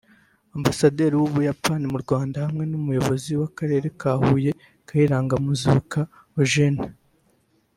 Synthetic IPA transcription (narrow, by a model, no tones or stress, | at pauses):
ambasade̞ːɾiwuβujapanimuɾɡwaːndahamŋe̞numujo̞βo̞ziwakaɾe̞ːɾe̞kaːhuːje̞ | kaiɾaːŋɡamuzuka | oʒena